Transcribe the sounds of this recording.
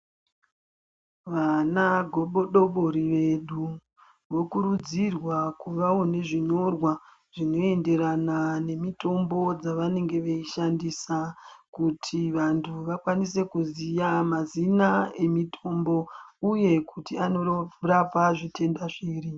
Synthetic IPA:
ʋanaɡʱoɓoɗoɓoɾiʋe̞ɗu | ʋo̞kuɾud͡zirwakuʋaone̞ʐiɲo̞rwa | ʐ̥ino̞e̞nde̞ɾanane̞mito̞mbo̞d͡zaʋane̞ŋɡe̞ʋeiʃandisakutʰiʋantʰuʋakwanise̞kuzijamazinae̞mitʰo̞mbo̞uje̞kʰutianorab͡vaʐitʰe̞ndaʐiːri

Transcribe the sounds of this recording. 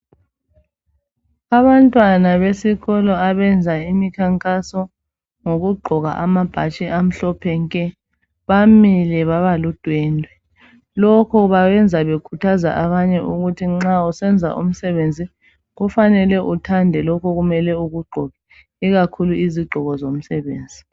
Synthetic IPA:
aβantʼwanaβesiɣɔlɔaβɛnd͡zʱaimikʰaŋkʼasɔ | ŋoɣuɡ͡ǃʱɔɣa̰ʔamab̥ʱa̰t͡ʃʼiʔam̩ɬɔpʰɛŋkʼɛ | βamilɛβaβalud̥ʱwɛːndʱwɛ | lɔkʰɔβajɛnd͡zʱaβekʰutʰaza̰ʔaβaɲɛʔuɣutʰiŋ͡ǁausɛnd͡zʱa̰ʔṵm̩sɛβend͡zʱi | ɣufanɛlɛʔutʰandʱɛlɔkʰɔɣumɛlɛuɣuɡ͡ǃʱɔɣɛ | iɣakʰuluiziɡ͡ǃʱɔɣɔzom̩sɛβḛːnd͡zʱi

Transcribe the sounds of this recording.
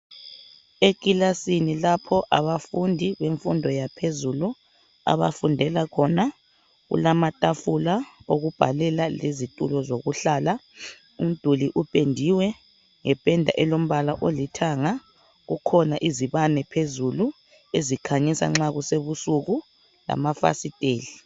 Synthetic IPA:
ekʼilasinilapʰɔʔaβafundʱiβeɱfundʱɔjapʰezulu | a̰βa̰fundʱɛlakʰɔna | ɣṵlamatʼafulaoɣub̥ʱalɛlalezitʼulɔzoɣuɬaːla | um̩d̥ʱuliʔupʼendʱiwɛ | ŋɛb̥ʱʼɛndʱa̰ʔɛlom̩βalaʔolitʰaŋa | ɣukʰɔnaʔiziβanɛpʰezulu | ezikʰaɲisa̰ŋ͡ǁaɣuseβusuɣu | la̰mafa̰sitʼeːli

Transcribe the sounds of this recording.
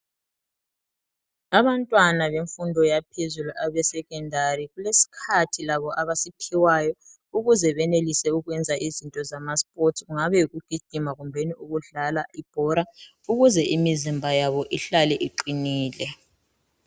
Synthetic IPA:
aβantʼwanaβeɱfundʱɔjapʰezuluʔaβɛsɛɣʼɛndʱaɾiɣulesi̥kʰatʰilaβɔʔaβasipʰiwajɔ | uɣuzɛβɛnelisɛuɣwɛnd͡zʱaʔizintʼɔzamaspʼotʰɣuŋaβɛjuɣuɡ̥ʱiɡ̥ʱimaɣumbʱeniuɣuɮalaʔib̥ʱɔɾa | uɣuzɛʔimizimbʱajaβɔʔiɬalɛʔiǃiniːlɛ

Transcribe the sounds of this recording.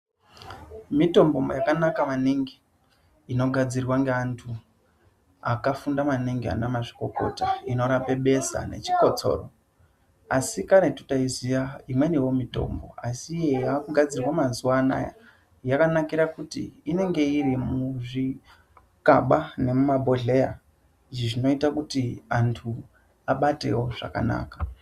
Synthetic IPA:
mito̞mbo̞mbojakanakamaniŋɡiː | no̞ɡʱad͡zirwaŋɡeantʰu | akafundamaniŋɡia̰namaʐiko̞ko̞̰taino̞ɾape̞ɓe̞sa̰ne̞̰t͡ʃi̥ko̞t͡so̞̰ro | asikaɾetu̥taizijaimweniwo̞mito̞̰ːmbo̞̰asijejakuɡʱad͡zirwamazuwana̰ja̰ | jakanakiɾakutḭːne̞ŋɡe̞irimuʐi | kaɓane̞mumabʱo̞ɮe̞ja | d͡ʒiʐino̞itakutiantʰu | aɓate̞̰wo̞ʐa̰ka̰na̰ːkḁ

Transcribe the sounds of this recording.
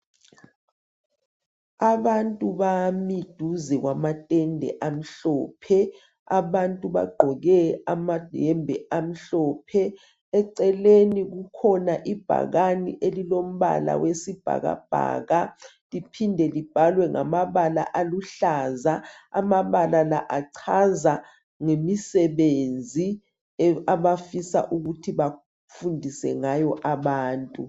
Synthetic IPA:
aɓantʼuɓamid̥ʱuzɛk̬wamatʼɛndʱɛ̰ʔam̩ɬɔːpʰɛ | aɓantʼuβa̰ɡ͡ǃʱɔɣɛamad̥ʱɛmbʱɛʔam̩ɬɔːpʰɛ | ɛǀɛlenik̬ukʰɔnaʔib̥ʱa̰ɣanḭʔelilom̩ɓa̰la̰wesib̥ʱa̰ɣa̰b̥ʱa̰ːɣa | lipʰindʱɛlib̥ʱalwɛŋa̰maβala̰ʔaluɬaːzaa̰maβalalaʔaǀʰaza | ŋemisɛβend͡zʱi | aβafisa̰ʔuɣutʰiβa | fundʱisɛŋajɔʔaβaːntʼu

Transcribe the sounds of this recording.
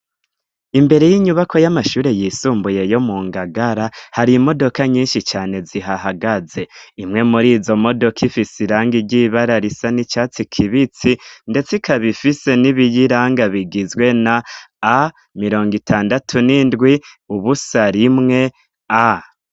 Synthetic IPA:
imbe̞ɾe̞jiɲuβakʰo̞jamaʃuːɾe̞jiːsuːmbuje̞jo̞muːŋɡaɡaɾahaɾimo̞do̞kaɲiːnʃit͡ʃaːne̞ziɦaɦaɡaze̞imŋe̞muɾiːzo̞mo̞do̞kʰifisiɾaːŋɡiɾɟiβaɾaɾisanit͡ʃaːt͡sikʰiβit͡sinde̞t͡sikʰaβifise̞niβijiɾaːŋɡaβiɡizɡwe̞naː | miɾo̞ːŋɡitʰaːndatʰunindɡwi | uβusaɾimŋe̞ | a

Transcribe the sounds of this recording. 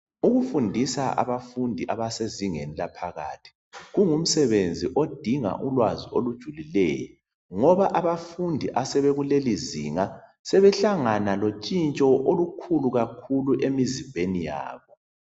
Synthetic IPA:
uɣufundʱisaa̰βafundʱiʔaβaseziŋenilapʰaɣa̰ːtʰi̥ | ɣuŋum̩sɛβend͡zʱiʔod̥ʱiŋa̰ʔulwaziolud̥ʒ̥ʱulilɛ̰ːjɔ̰ | ŋɔβaʔaβafundʱiʔasɛβeɣulelizḭːŋa | sɛβɛɬaŋanalot͡ʃʼint͡ʃʼɔʔolukʰuluɣakʰuluʔemizimbʱenija̰ːβɔ

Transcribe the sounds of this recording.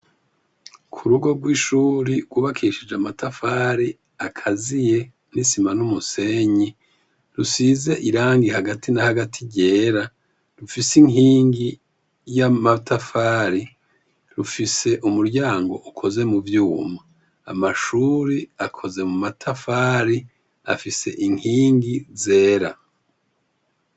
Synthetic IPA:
kʰuɾuɡo̞ɡwiːʃuɾiɡɡwuːβakʰiʃid͡ʒamatafaɾi | akʰazije̞ | nisimanumuse̞ɲi | ɾusize̞ʔiɾaːŋɡihaɡatʰinahaɡatʰiɟe̞ːɾa | ɾufisiŋhiːŋɡi | jamatʰafaːɾi | ɾufise̞ʔumuɾɟaːŋɡo̞̰ʔukʰo̞ze̞muvjuːma | a̰maʃuːɾiakʰo̞ze̞mumatʰafaːɾi | a̰fise̞̰ʔiŋiːŋɡize̞ːɾa

